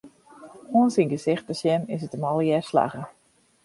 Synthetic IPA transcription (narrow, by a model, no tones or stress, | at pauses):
oənsinɡəsɪxt̚əsjɛnɪs̬ətəmɔlˠjɛrsla̰ɣə